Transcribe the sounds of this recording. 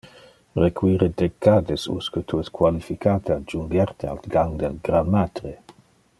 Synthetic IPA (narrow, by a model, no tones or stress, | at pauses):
rekwiːɾed̪ekːaːd̪esṵskət̪ʰuɛskʰwalifikʰaːt̪ead͡ʒuŋɡɛɾt̪ʰea̰lɡaŋd̪ɛlɡɾanːat̪ɾe